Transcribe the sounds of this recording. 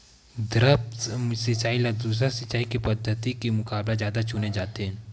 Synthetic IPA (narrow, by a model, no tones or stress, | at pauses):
d̪ɾəpsɪt͡ʃaːilɐɡ̚d̪uːs̬ɾasɪt͡ʃaːikepɐd̪ʱːət̪ikemʊkaːblazjaːd̪at͡ʃʊned͡ʒaːt̪eɦɛ̃ː